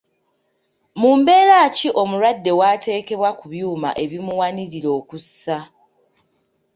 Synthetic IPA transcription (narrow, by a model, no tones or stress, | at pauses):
muːmbe̞ːɾaːciʔo̞muɾwadːe̞waːte̞ːke̞βwakuβjuːma̰ʔe̞βimuwaniɾiɾo̞ːkusa